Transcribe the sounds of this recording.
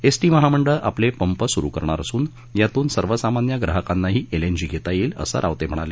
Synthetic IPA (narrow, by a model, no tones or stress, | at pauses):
esʈiːməɦaməɳɖəʔaplepəmpəsuɾṵkəɾɳ̃aɾəsuːn | jat̪uːnsəɾʋəsamanjaɡɾaɦəkanːaɦiːʔeleɲd͡ʑiɡʱet̪ajiːlə̰sə̰ɾʔa̰ʋt̪em̤əɽ̃a̰le